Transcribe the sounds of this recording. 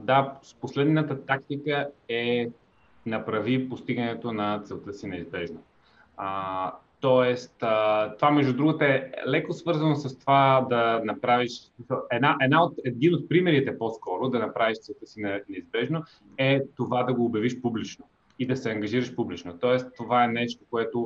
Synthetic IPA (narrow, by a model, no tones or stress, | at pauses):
d̪asposlɛd̪nət̪ət̪ak̚t̪ikəɛ | nɐpɾɐvipost̪iɡɐnɛt̪onɐt̪sɛlˠt̪əsinɛizbɛʒno | ət̪ɔɛst̪ət̪ovamɛʒd̪ud̪ɾuɡət̪əɛlɛkosvɤɾzɐnosɐst̪ovad̪ɐnɐpɾaviʃsmisəlˠɛd̪naʔɛd̪naot̪ɛd̪inot̪̚pɾimɛɾit̪ɛposkɔɾʊd̪ɐnɐpɾaviʃt̪sɛlˠt̪ɤsinɛnɛizbɛʒno | ɛt̪ovad̪ɐɡoːbjɐviʃpublit͡ʃno | id̪ɐsɛɐŋɡɐʒiɾɐʃpublit͡ʃnot̪ɔɛst̪ːovaɛnɛʃt̪okoɛt̪ʊ